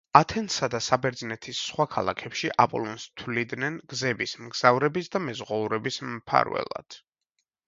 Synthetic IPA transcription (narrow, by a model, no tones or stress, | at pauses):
at̪ʰɛnt̪sad̪asabɛɾd̪znɛt̪ʰisːχwakʰalˠa̰kʰɛpʃiʔapʼɔ̰lˠɔnst̪ʰwlid̪nɛnɡzɛbismɡz̥avɾɛbisd̪amɛzʁɔuɾɛbismpʰa̰ɾvɛ̰lˠa̰d̪̥